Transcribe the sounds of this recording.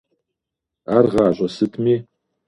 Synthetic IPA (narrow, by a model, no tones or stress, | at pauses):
arʁɑːʑʷʼɐsɨtʰmiː